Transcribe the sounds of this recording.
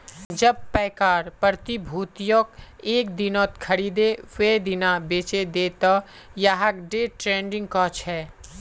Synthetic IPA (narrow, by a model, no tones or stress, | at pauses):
d͡ʒəb̚pɛːkaːɾpəɾt̪ibʱuːt̪jokeːk̚d̪ɪnoːt̪kʰəɽiːd̪ewed̪ɪnabeːt͡ʃed̪eːt̪ɔ | jaːɦəkɖeːʈɾẽːɳɖɪ̃ŋɡkɔːt͡ʃɦɛː